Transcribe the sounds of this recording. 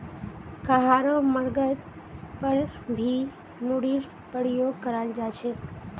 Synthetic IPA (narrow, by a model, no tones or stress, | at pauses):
kaɦaɾoməɾɡət̪ | pəɾbʱi | muɽiɾ | pəɽijoːɡ̚kəɾaɪld͡ʒat͡ʃʰe